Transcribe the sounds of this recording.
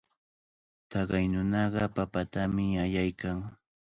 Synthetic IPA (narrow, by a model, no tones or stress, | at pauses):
t̪ɑɢɑjnʊnɑɢɑpapat̪amɪajajkaŋ